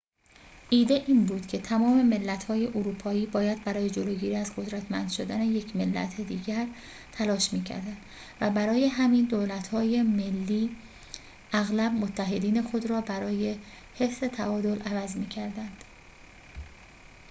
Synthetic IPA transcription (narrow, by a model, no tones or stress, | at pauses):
ʔiːd̪e̞ʔiːnbuːd̪̥cʰe̞t̪ʰæmɒːme̞me̞lːæt̪hɒːje̞ʔoɾuːpʰɒːiːbɒːjæd̪bæɾɒːje̞d͡ʒoloːɟiːɾiːæzɡo̞d̪ɾæt̪ʰmæ̰nd̪̥ʃod̪æne̞je̞cʰme̞lːæ̰t̪ʰed̪iːɟæɾ | t̪ʰælɒːʃmiːcʰæ̰ɾd̪ænd̪̥ | væbæɾɒːje̞ɦæmiːnd̪oːlæt̪hɒːje̞me̞lːiː | æɣlæbmot̪ʰːæɦe̞d̪iːne̞xo̞d̪ɾɒːbæɾɒːje̞ | he̞fze̞t̪ʰæʔɒːd̪o̞lʔævæzmiːcʰæɾd̪ænd̪̥